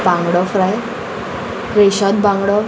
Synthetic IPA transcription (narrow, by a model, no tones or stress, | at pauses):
bãŋɡɽɔfɾaj | ɾeɕad̪̚bãŋɡɽɔ